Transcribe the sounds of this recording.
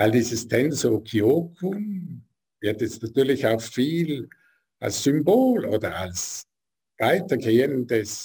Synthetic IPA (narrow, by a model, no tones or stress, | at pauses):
aɪldiːzəstʰɛnsokʰiokʰʊm | vɪɐtjɛstnatyːɐlɪçaʊxfiːl | ʔa̰lsːymboːlo̰ːdɐa̰ls | vaɪtɐɡeːəndəs